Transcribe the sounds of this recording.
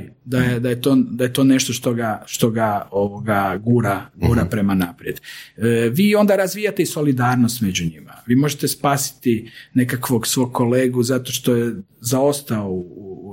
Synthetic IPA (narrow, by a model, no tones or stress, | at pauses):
d̪ajed̪ajet̪oːd̪aje̞t̪o̞ne̞ʃt̪o̞ʃt̪o̞ɡaʃt̪o̞ɡaoʋoɡaɡuɾaɡuːɾapɾe̞manaːpɾijed̪ | ʋiːo̞nd̪aɾazʋiːjat̪eiso̞lid̪aːɾnost̪med͡ʑuɲimaʋiːmo̞ʒet̪e̞spaːsi̥t̪ine̞kakʋo̞ɡsʋo̞ːɡ̚kʰo̞leːɡuzat̪o̞ʃt̪o̞jezao̞st̪ao